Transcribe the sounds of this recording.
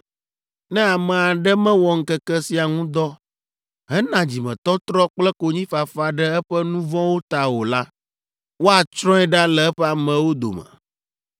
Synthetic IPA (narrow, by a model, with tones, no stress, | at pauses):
nɛ̃˦a˨mɛ̃˨a˨ɖɛ˦mɛ̃˦wɔ˨ŋ̩˦kɛ˦kɛ˦si˨a˨ŋũ˦d̪ɔ˦ | ɦɛ˦nã˨d͡ʑi˨mɛ̰̃˨t̪ɔ˦t̪ɾɔ˦k͡plɛ˦ko˦ɲĩ˦fa˨fa˨ɖɛ˦ɛ˦ɸɛ˦nũ˦vɔ̃˦wo˦t̪a˨wo˨la˦ | wo˦a˨t͡ʃɾɔ̃˦ɛ˦ɖa˦lɛ˨ɛ˦ɸɛ˦a˨mɛ̃˨wo˦d̪o̰˨mɛ̰̃˨